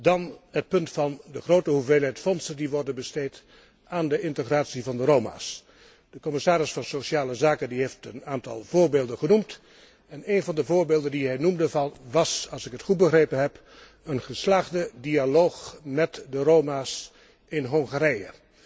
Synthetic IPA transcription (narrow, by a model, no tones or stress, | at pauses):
dɑnɦət̚pɵntfɑndəχrowtəɦuveːlˠɦɛjtfɔnsəndiʋɔrdənbəsteːt | aːndəʔɪntəχraːtsivɑndəɾowma̰ːs | d̥əkɔmɪsaːɾɪsfɑnsoʃaːləzaːkəndiɦeftənaːntɑ̰lˠvoːɹbeːlˠdənχənumt | ɛnejnvɑndəvoːɹbeːlˠdəndiɦɛjnumdəvɑnʋɑsɑlˠsɪkɦətχut̚bəχreːjpənɦɛp | ənχəslaːχdədialoːχmɛtdəɾoːmaːs | ɪnɦɔŋχaɾɛjə̰